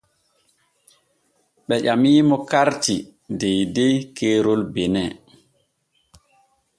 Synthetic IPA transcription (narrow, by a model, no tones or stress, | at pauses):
ɓɛʄamiːmɔkaɾtidejdejkʰeːɾolbɛnɛ